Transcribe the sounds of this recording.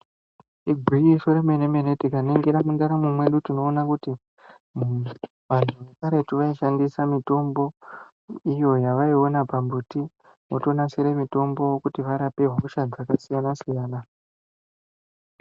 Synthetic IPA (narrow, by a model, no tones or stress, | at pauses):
iɡʱwijiso̞ɾemeneme̞netikane̞ŋɡeɾamundaɾamumwe̞ɗutino̞ːnakuti | ʋan̤uʋekaɾe̞tuʋaiʃandisamito̞mbo̞ | ijo̞jaʋaio̞napambuti | ʋoto̞naseɾemito̞mbo̞wokutiʋaɾape̞ɦuʃad͡zakasijanasijaːna